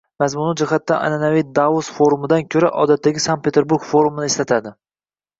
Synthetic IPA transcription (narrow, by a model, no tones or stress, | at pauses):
mazmʊnɪd͡ʒɪχat̪ːaʔa̰nanavijd̪aosfoɾumɪd̪ankʲʰɵɾaʔɒ̰d̪at̪ʰːaɡʲɪsan̚pʰʲet̪ʰe̞ɾbuɾɡ̥foɾumɪnɪeslat̪ʰad̪ɪ